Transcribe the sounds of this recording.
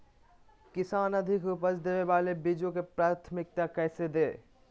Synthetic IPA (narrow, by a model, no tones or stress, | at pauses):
kɪsaːnɐd̪ʱɪkʊpəsd̪eːeʋaːlebɪd͡ʒõkepɾaːt̪ʰmɪk̚t̪akɛːsed̪eː